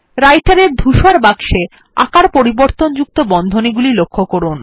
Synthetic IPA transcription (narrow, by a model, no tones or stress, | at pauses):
ɾajʈaɾeɾd̪ʱuʃaɾbaɡʃe | a̰kaɾpoɾiboɾt̪ond͡ʑuk̚t̪obɔnd̪ʱoniɡulilokʰːokoɾun